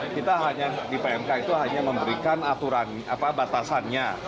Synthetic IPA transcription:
kit̪aɦaɲadibajaŋkanit̪uɦaɲaməmbəɾikanat̪uɾan | a̰pabat̪asanɲa

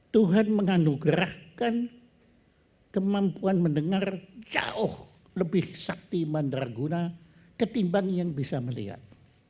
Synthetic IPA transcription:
t̪uɦanməŋanuɡɾahkan | kəmampuanməndəŋard͡ʒa̰ʊh | ləbɪhsak̚t̪imandarɡuna | kət̪imbaŋjaŋbisaməlḭɦa̰t̪̚

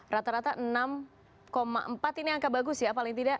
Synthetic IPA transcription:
rat̪aɾat̪aʔnam | koma̰ʔəmpat̪iniaŋkabaɡʊsjapalɪŋt̪idaʔ

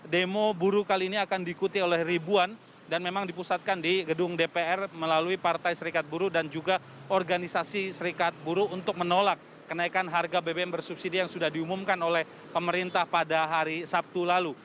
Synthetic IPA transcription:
demobuɾukaliːniakandiːkut̪iolɛhribuan | danmemaŋdipusat̪̚kandiɡədʊŋdepeɛrməlaluipart̪ajsəɾikat̪̚buɾudand͡ʒuɡa | ɔrɡanisasisəɾikat̪̚buɾuːnt̪ʊk̚mənolak̚ːənaikanɦarɡabebeɛnbərsupsidijaŋsudahdiumumkanolɛh | pəməɾint̪ahpadaɦaɾisap̚t̪ulalu

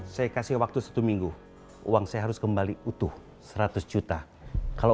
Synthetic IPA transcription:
sajakasɪhwak̚t̪usḁt̪umiŋɡu | ṵwaŋsajaɦaɾʊskəmbaliut̪ʊh | səɾat̪ʊsd͡ʒut̪a | kalo

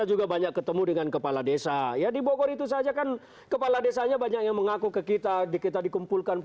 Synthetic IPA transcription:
ad͡ʒuɡabaɲakːət̪əmudəŋankəpaladesajadibokɔɾit̪us̬ad͡ʒakan | kəpaladesaɲabaɲak̚jaŋməŋakukəkit̪adikit̪adikumpulkan

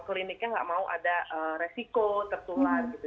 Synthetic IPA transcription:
klinɪk̚ɲaŋɡa̰ʔmauʔa̰daʔəːresikot̪ərt̪ulat̪̚ɡit̪u

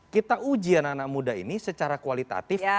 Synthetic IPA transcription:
kit̪aʔud͡ʒiananak̚mudaɦḭnisət͡ʃaɾakualit̪a̰t̪ɪf

